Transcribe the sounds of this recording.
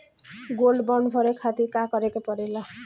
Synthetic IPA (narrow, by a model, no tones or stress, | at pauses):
ɡolɖbʌɳɖbʱʌɾekʰat̪ikakʌɾekopʌɾelʌ